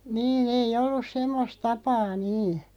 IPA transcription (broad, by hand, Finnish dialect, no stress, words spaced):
niːn eij̆ olːus semːos tɑpɑː niː